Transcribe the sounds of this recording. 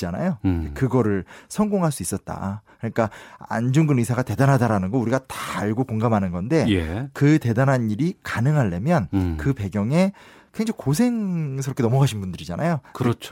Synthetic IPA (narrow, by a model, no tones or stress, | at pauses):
d͡ʑana̰joekɯɡʌɾɯɭsʰʌŋɡoŋɦaɭs͈uis͈ʌt̚t͈a̰kɯɲik͈aa̰nd͡ʑuŋɡɯnisʰaɡate̞danɦadaɾanɯnɡʌuɾiɡatḁːɭɡokoŋɡamɦanɯnɡʌnde̞jekɯte̞danɦaniɾikanɯŋɦaɭːe̞mjʌnkɯpe̞ɡjʌŋe̞ | keŋd͡ʑokosʰe̞ŋsʰʌɾʌkʰenʌmʌɡaɕʰinbundɯɾid͡ʑanajokɯɾʌt͡ɕʰ